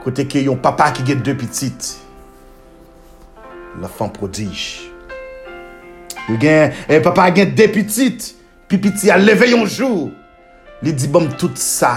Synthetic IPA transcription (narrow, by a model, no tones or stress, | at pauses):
kot̪ekejɔ̃papakiɡɛ̃d̪øpitit̪ | lãfãpʁodiʒ | joɡɛ̃papaɡɛ̃d̪epitit̪ | pipitialevejɔ̃ʒu | lid͡zibɔ̃mt̪ut̪sa